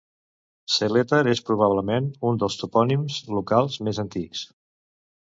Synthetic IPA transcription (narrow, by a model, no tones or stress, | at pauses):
selet̪əɾespɾuβ̞aβləmenund̪əlˠst̪upɔnimzlukalˠzmezənt̪iks